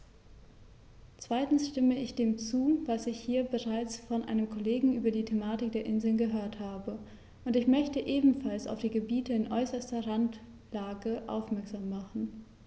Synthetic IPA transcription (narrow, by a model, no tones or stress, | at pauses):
t͡sv̥aɪtn̩sʃtɪməɪçd̥eːmt͡suːvasɪçhiːɐbəʁaɪt͡sfɔnʔa̰ɪnəmkʰoleːɡŋ̩ʔyːbɐdiːtʰemaːtɪk̚d̥eːɐʔɪnzl̩nɡəɦøːɐthaːbə | ʔʊntɪçmœçtəʔeːbm̩falsa̰ʊfd̥iːɡəbiːtəɪnʔɔʏsɐstɐʁant | laːɡəʔa̰ʊfmɛɐkz̥aːmːaχn̩